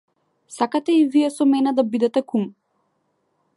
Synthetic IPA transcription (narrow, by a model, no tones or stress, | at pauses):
sakat̪ɛivijɛsɔmɛnɛd̪abid̪ɛt̪ɛkum